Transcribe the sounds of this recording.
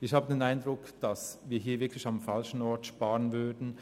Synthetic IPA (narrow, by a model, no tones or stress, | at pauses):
ɪçhaːbədeːnaɪndʁʊkd̥asviːɐɦiːɐvɪɐkʰlɪçamfalʃn̩ɔɐtʃpaːʁənvʏɐdn̩